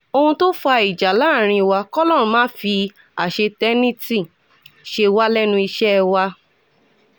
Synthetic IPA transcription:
o˧hũ˧to˦fa˧i˨d͡ʒa˨˦la˨˦˨ɾ̃ĩ˧i˧wa˧kɔ˦lɔ˦˨ɾ̃ũ˧mãː˦fi˧ | a˨ʃe˧tɛ˦nĩ˦ti˦˨ | ʃe˧wa˦lɛ˦nũ˧i˧ʃɛ˦˧wa˧

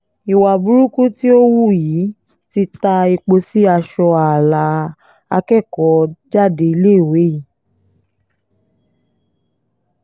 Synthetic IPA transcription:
i˨wa˨bu˨˦ɾu˦ku˦ti˦o˦wu˦˨jiː˨˦ | ti˧ta˧i˧k͡po˧si˦a˧ʃɔ˧a˨la˨˧˦ | a˧kɛ˦˨kɔ˨˦d͡ʒa˦˨de˧i˧le˦˨we˨˦ji˨

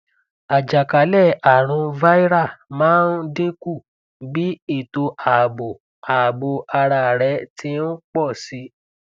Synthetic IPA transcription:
a˨d͡ʒa˨ka˨˦lɛ˦˨a˨ɾ̃ũ˧va˦i˦ɾa˦˨mãː˦nde˦ku˦˨ | bi˦i˦˨to˧ʔa˨bo˨ | a˨bo˧ʔa˧ɾa˧˨ɾɛ˨˦ti˧˦n̩˦k͡pɔ˦˨si˧˦

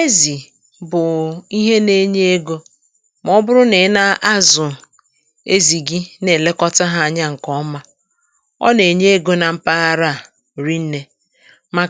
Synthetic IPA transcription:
e˦zi˨ | bʊ˨i˦ɦe˦ne˦ɲe˦e˦ɡo˦ | m˨˦ɔ˦bʊ˦ɾʊ˦ne˨˦na˦a˦zʊ˨ | e˦zi˨ɡi˦ne˨le˦kɔ˦ta˦ɦa˦˨a˨ɲa˦ŋ̩˨kɔ˦ma˦ | ɔ̰˦ne˨ɲe˦e˦ɡo˦na˨m̩˦pa˦a˦ɾa˦˨ | ɾi˦n̩˦ne˦ | ma˨

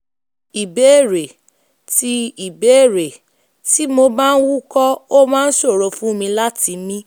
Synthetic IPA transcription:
i˨be˨˦˨ɾe˨ | ti˧i˨be˨˦e˦˨ɾe˨ | ti˨˦mo˧ba˦n̩˦wu˦kɔ˦o˦mãː˦˧n̩˦ʃo˦˨ɾo˨˧˨fũ˦mĩ˧la˦ti˨˧mĩ˦

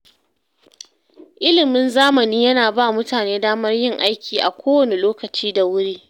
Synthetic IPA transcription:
ʔɪ˦lɪ˨mɪ˦nzaː˦mɐ˨niː˦jɐ˦naː˨baː˦mʊ˦taː˨neː˦daː˦mɐ˦rjɪ˦ŋʔa˦jkʲʰiː˨ʔa̰˨kʷoː˦wɐ˨ne˨loː˦kɐ˨t͡ʃiː˦da˨wʊ˦ɽiː˦

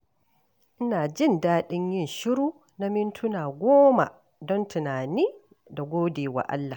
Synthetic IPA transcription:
ʔɪ˦naː˨d͡ʒɪ˦˨ndaː˦ɗɪ˦ɲjɪ˦˨nʃɪ˦ɾuː˦ | na˦mɪ˦ntʰʊ˦naː˨ɡʷoː˦ma̰˨ | dɔ˦ntɪ˨naː˨niː˦ | da˨ɡʷoː˦deː˨wa̰˨ʔa̰˦lːa˨

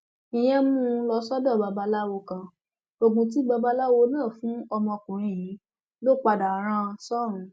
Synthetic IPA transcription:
ĩ˨j̃ɛ̃˦mũ˦lɔ˧˦sɔ˦dɔ̃˦˨ba˧ba˧la˦wo˧kã˧ | o˨ɡ͡bũ˧t̬i˨˦ɡ͡ba˧ba˧la˦wo˧˦nãː˦˨fũ˨˦ɔ˧mɔ̃˧kũ˨ɾ̃ĩ˦˧˨jĩ˨˦ | lo˦˨k͡pa˧da˨˦ɾ̃ã˦˧sɔ˦˨ɾũ˨˦

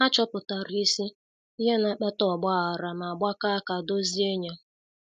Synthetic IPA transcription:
a˦t͡ʃɔ˦pʊ˨ta˨ɾi˨i˦si˦ | i˦ɦe˦na˨k͡pɛ˦tɔ˦˨ɡ͡ba˦˨a˨ɾa˨ma˨ɡ͡bʷa˦ka˦˨ka˨do˦zi˦e˦ɲa˨

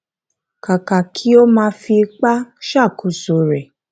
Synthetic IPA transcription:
ka˨ka˨kʰi˨˦o˦mãː˧˦fi˧k͡pa˦ʃa˦˨kʰu˨so˨ɾɛ˨

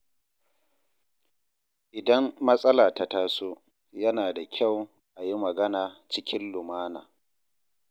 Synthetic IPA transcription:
ʔɪ˨dɐ˦mːɐ˦sʼɐ˦laː˨ta˨taː˦soː˦ | jɐ˦naː˨da˨kʲʰa˦˨w | ʔa˨ji˦mɐ˨ɡɐ˦naː˨t͡ʃɪ˦kʲɪ˦nlʊ˨maː˦na̰ː˨

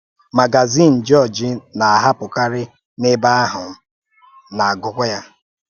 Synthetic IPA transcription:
ma˨ɡa˨zi˦˨n̩˨d͡ʒɔ˦˨d͡ʒɪ˦na˨a˨ɦa˦pʊ˨ka˦ɾɪ˦ | nɪ˦ba˦a˦ɦʊ˨m̩˦ | na˨a˨ɡʊ˦kʷʊ˦ja˦

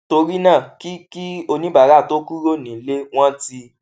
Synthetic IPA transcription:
to˧ɾi˦nãː˦˨ki˦ki˦o˧nĩ˦ba˨˦ɾa˦˨to˦ku˦ɾo˦˨nĩ˨˦le˦w̃ɔ̃˦ti˧

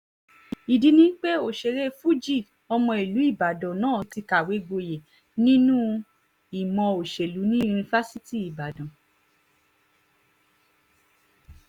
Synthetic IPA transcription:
i˨di˨˦nĩ˦k͡pe˦o˨ʃe˨ɾe˦fu˦d͡ʒi˦˨ | ɔ˧mɔ̃˧i˨lu˨˦i˦˨ba˨dɔ̃˨nãː˦˨ti˧ka˨we˨˦ɡ͡bo˧je˨ | nĩ˦nũ˦ | i˨mɔ̃˧o˨ʃe˨lu˨˦nĩ˦u˧nĩ˧fa˦si˦ti˦˨i˨ba˨dɔ̃˨

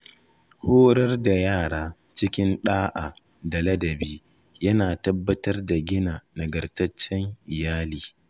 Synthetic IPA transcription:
hoː˦ɽɐ˦rda˨jaː˦˨ɽaː˦ | t͡ʃɪ˦kʲɪ˦nɗaː˦ʔa˨ | da˨lɐ˦dɐ˨biː˦ | jɐ˦naː˨tɐ˦bːɐ˦tɐ˦rda˨ɡʲɪ˦naː˨nɐ˨ɡɐ˨rtɐ˦t͡ʃːɛ˦ŋʔɪ˨jaː˦liː˨

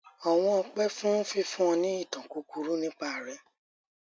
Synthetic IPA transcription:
ɔ˨w̃ɔ̃˧ɔ˧k͡pɛ˦fũ˦n̩˦fi˧˦fũ˦ɔ̃˧nĩ˦i˦˨tɔ̃˨ku˨˦ku˨˧ɾu˦nĩ˦k͡pa˦˨ɾɛ˨˦

